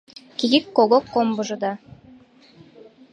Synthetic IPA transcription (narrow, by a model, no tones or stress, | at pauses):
kʲiɡikːoɡokːombuʒud̪ɑ